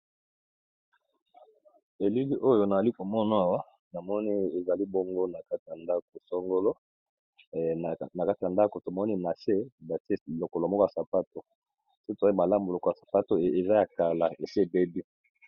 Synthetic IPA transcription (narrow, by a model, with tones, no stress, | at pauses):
e˨li˦bi˦ʔo˦jo˨na˨za˨li˦ko˨mɔ˦na˨˦a˨wa˦ | na˨mɔ˦ni˦e˨za˨li˦bo˦ŋɡo˦na˨ka˦ti˨ja˨nda˦ko˨sɔ˦ŋɡo˦lo˦˨ | na˨ka˦ti˨a˨nda˦ko˨to˨mɔ˦ni˦na˨se˦ba˨te˦lo˨ko˨lo˨mɔ˦ko˦a˨sa˨pa˦to˨ | so˦to˨za˦i˦ma˨la˦mbo˨lo˨ko˨a˨sa˨pa˦to˨e˨za˦ja˨ka˨la˨e˨si˦e˦˨be˦bi˦